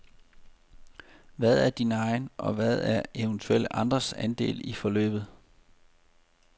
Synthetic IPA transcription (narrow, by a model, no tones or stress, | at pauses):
ʋæð̞ˠæɐd̥inəɑ̈ɪnʔɒ̽ʋæð̞ˠæɐeʊənt͡sʰuel̰əʔɑ̈nd̥ʁɐsænd̥e̝̰ːlifɒ̽lø̰ːb̥ð̩ˠ